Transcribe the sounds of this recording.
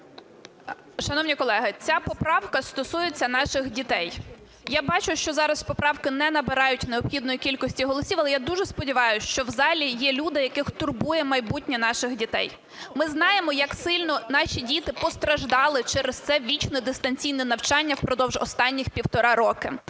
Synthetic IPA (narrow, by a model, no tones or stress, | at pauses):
ʃɐnɔwnʲikɔlˠɛɦɪt͡sʲapɔpɾɑwkɐst̪ɔsujet͡sʲːɐnɑʃɪxdʲit̪ɛj | jabɑt͡ʃʊʃt͡ʃɔzɑɾɐspɔpɾɑwkɪnɛnɐbɪɾɑjʊtʲneɔbxʲid̪nɔjikʲilʲkɔsʲtʲiɦɔlˠɔsʲiwɐlˠɛjad̪uʒɛspɔdʲiʋɑjʊʃt͡ʃɔwzɑlʲijɛlʲud̪ɪjɐkɪxt̪ʊrbujɛmɐjbutʲnʲɛnɑʃɪxdʲit̪ɛ̰j | mɪznɑjemɔjɐksɪlʲnɔnɑʃʲidʲit̪ɪpɔst̪ɾɐʒd̪ɑlˠɪt͡ʃɛɾest̪sɛʋʲit͡ʃnɔd̪ɪst̪ɐnʲt͡sʲijnɛnɐwt͡ʃɑnʲːɐwpɾɔd̪ɔwʒɔst̪ɑnʲːixpʲiwt̪ɔɾɑɾɔkɪ